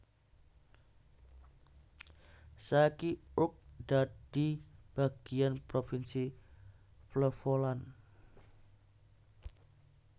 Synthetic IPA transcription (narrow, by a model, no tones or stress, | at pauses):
sakiʊk̚d̥ad̥ib̥aɡ̥ianpɾofinsi | fləfolan